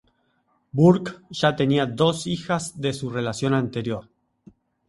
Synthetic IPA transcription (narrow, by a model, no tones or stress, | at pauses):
buɾkʒ̥at̪e̞niaðo̞sixazðe̞sure̞lasjo̞nant̪e̞ɾjo̞ɾ